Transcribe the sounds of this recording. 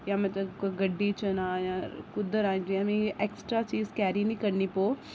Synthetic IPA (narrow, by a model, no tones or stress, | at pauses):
jãmɛ̃t̪ɐkoɡɐɖːit͡ʃənãjãkʊd̪ʱəɾaːĩd͡ʒ̪iamĩʔeːksʈɾat͡ʃiːzkɛːɾinĩkɐɾnipoː